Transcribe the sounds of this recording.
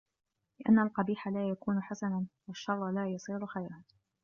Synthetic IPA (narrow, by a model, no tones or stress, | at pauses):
lɪʔa̰nːalqɑbiːħalaːjakuːnʊħasanawaʃːɑrˤːɑlaːjɑsˤiːɾʊxajɾaːt̪